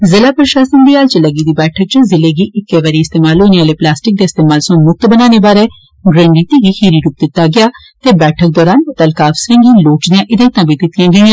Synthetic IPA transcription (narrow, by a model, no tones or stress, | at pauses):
zɪlaːpɾəʃaːsənd̪iːaːlt͡ʃələɡiːd̪iːbɛːʈʰək̚t͡ʃəzɪleːɡiːʔɪkːeːʋaːɾiːɪst̪eːmaːlɦoːneːʋaːleːplaːsʈɪk̚d̪eːɪst̪eːmaːlsõːmʊk̚t̪bənaːneːbaːɾɛː | ɡɾəɳɖiːt̪iːɡiːhiːɾiːɾuːp̚d̪ɪt̪ːaːɡɪaː | t̪eːbɛːʈʰək̚d̪ɔːɾaːnt̪əlkaːfsɾə̃ːŋɡiːloːʈd̪ɪjãːʔɪd̪ãt̪ãːbʱiːd̪ɪt̪ɪjãːɡəãː